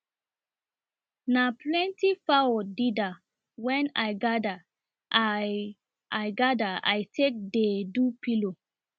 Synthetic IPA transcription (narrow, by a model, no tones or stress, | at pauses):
naplɛ̃ntifawɔdida | wɛ̃najɡada | ʔa | ʔajɡadaa̰jtʰek̚dedupilo